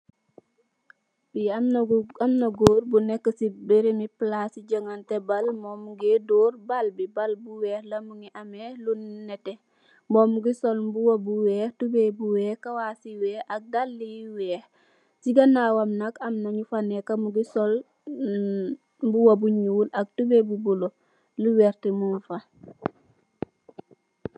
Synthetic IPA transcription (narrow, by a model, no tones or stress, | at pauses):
biaamnaɡoːɾbunɛkːəsibeɾemiplasiɟəŋantebalmomuɡedoːɾbalbibalbuwɛːhlɐmuŋiʔamehlunːɛte | momuɡisolmbuwabuwɛːhtubebuwɛːhkawaːsiwɛːhak̚dalːijwɛːh | siɡanawamnakamnaɲufanekamuɡisol | mbuwabuɲuːlak̚tubebubulo | luwɛːɾtimunfa